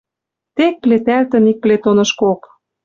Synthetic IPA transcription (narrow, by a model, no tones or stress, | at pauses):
t̪ek̚plet̪ælt̪ə̆nik̚plet̪onɤ̆ʃkok